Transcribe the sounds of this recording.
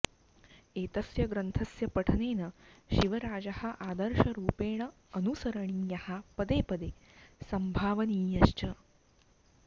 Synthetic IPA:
eːt̪ɐsjɐɡɾɐnt̪ʰɐsjɐpɐʈʰɐneːnɐʃiʋɐɾaːd͡ʒɐhɐ̆ʔaːd̪ɐɾʃɐɾuːpeːɳ̃ɐ | ɐnusɐɾɐɳijɐhapɐd̪eːpɐd̪eːsɐmbʱaːʋɐniːjɐʃt͡ʃɐ

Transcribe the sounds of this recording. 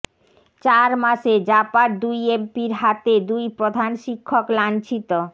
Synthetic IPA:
t͡ɕaɾmaʃed͡ʑapaɾd̪ujempiɾɦat̪ed̪ujpɾod̪ʱanʃikʰːoklant͡ɕʰit̪o

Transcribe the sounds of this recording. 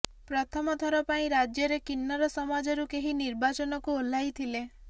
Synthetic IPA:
pɾɔt̪ʰɔmɔd̪ʱɔɾɔpaĩɾad͡ʒjɔɾekinːɔɾɔsɔmad͡ʒɔɾukeɦiniɾbat͡ʃɔnɔkuolajt̪ʰile

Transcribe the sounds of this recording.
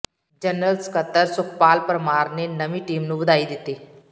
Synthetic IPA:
d͡ʒənəlskət̪ːəɾsʊkʰpaːlpɾmaːɾnenəmĩʈiːmnũbəd̪aːid̪ɪt̪ːiː

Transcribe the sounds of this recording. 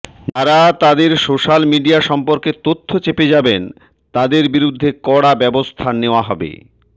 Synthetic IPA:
taɾat̪ad̪eɾsoʃalmiɖiaʃɔmpoɾket̪ot̪ʰːot͡ɕeped͡ʑaben | t̪ad̪eɾbiɾud̪ʱːekɔɽabɛbost̪ʰaneoaɦɔbḛ

